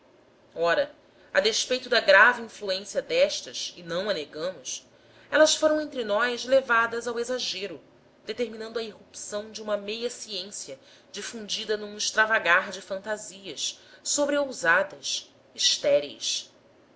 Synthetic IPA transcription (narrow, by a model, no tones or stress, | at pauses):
ɔɾɐ | ɐd̪eʃpejt̪ʊd̪ɐɡɾaviĩfluẽsijɐd̪ɛʃt̪ɐsɪnɐ̃w̃ɐneɡɐ̃mʊs | ɛlɐsfoɾɐ̃w̃ẽnt̪ɾɪnɔjʃlevad̪ɐzawezaʒeɾʊ | d̪̥et̪eɾminɐ̃nd̪ʊɐiɦupsɐ̃w̃d͡ʒɪũmɐmejɐsiẽsiɐ | d͡ʒifũnd͡ʒid̪ɐnũiʃt̪ɾavaɡaɾd͡ʒɪfɐ̃nt̪aziɐssobɾeowzad̪ɐs | iʃt̪ɛɾḛjs